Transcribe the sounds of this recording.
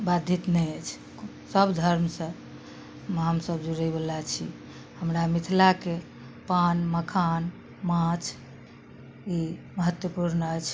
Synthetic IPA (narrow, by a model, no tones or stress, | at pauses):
bad̪ʱit̪nɛjət͡ʃʰ | səbd̪ʱəɾmsə̃ | mɦəmsəbd͡ʒuɾəjbelat͡ʃʰḭ | həmɾamit̪ʰlake | panməkʰan | mãt͡ʃʰ | iməɦət̪wəpuɾnəət͡ʃʰ